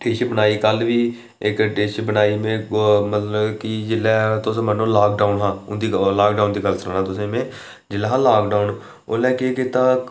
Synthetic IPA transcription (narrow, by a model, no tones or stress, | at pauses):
ʈeːʃbənaːiːkəlʋiː | ɪkʈeːʃbənaːiːmẽːmət̪ləbkid͡ʒɪlɛːt̪ʊsːmənõːlaːkɖaːʊnɦãːʊnd̪iːlaːk̚ɖaːʊnd̪iːɡəlsɾãːnãːt̪ʊsẽːmẽː | d͡ʒɪlːɛːɦãːlaːkɖaːʊn | oːlɛːkeːkɪt̪ãː